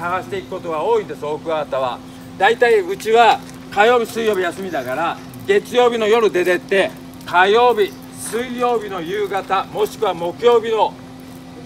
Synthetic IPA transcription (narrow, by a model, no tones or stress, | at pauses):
aɡaɕi̥t̪e̞ikɯ̟̥ko̞t̪o̞ɡao̞ːid̪e̞soːkɯ̟at̪aβa̰ | d̪ait̪aiɯ̟t͡ɕiβa | kajo̞ːbʲisɨijo̞ːbʲijasɨmʲid̪aɡaɾa | ɡe̞t͡sɨjo̞ːbʲino̞jo̞ɾɯ̟d̪e̞d̪e̞t̪ːe̞ | kajo̞ːbʲi | sɨijo̞ːbʲino̞jɯ̟ːɡat̪amo̞ɕi̥kɯ̟βamo̞kɯ̟jo̞ːbʲino̞